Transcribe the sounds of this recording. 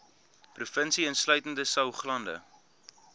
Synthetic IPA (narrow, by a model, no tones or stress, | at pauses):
prufənsiənslœɥtəndəsɐwχlɐndə̰